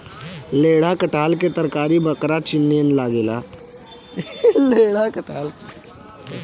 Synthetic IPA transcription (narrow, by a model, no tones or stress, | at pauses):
leːɽakəʈaːlket̪əɾkaːɾibəkɾat͡ʃɪnːiənlaːɡela | leːɽakəʈaːl